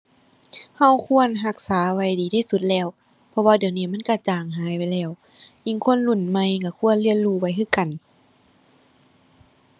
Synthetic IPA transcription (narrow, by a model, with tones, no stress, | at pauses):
ha˧˥˩wkʰu˧˥˨ənɦa˧k̚saː˨˦wa˧˩jdiː˨˩t̪ʰiː˧˩˨su˧˦t̪̚lɛː˧˩˨w | pʰɔ˧waː˧di˨˩əwniː˧˩ma˧˥˨nka˧˩t͡ɕaː˨˩ŋɦaː˨˦ja˧˨jlɛː˧˩˨w | ʔi˧˨ŋkʰo˧˥˨nlu˧˩˨nma˧˩jka˧˩kʰu˧˥˨ənlɯ˧˨ənluː˧˩wa˧˩jkʰɯː˧˥˨ka˨˩n